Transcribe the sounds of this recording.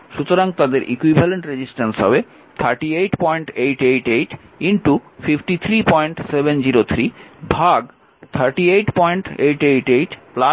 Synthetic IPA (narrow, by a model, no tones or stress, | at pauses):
ʃut̪oɾaŋt̪ad̪eɾʔḭkwibʱɛleɳʈɾed͡ʑisʈansɦɔ̰be | t̪ʰaɾʈiejʈpɔjɳʈejʈejʈejʈ | inʈufifʈit̪ʰɾipɔjɳʈsebend͡ʑiɾot̪ʰɾibʱaɡ | t̪ʰaɾʈiejʈpɔjɳʈejʈejʈejʈpla